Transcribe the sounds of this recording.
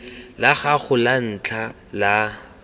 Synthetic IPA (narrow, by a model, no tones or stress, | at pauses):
laɣaχʊlan̩t͡ɬʰa | la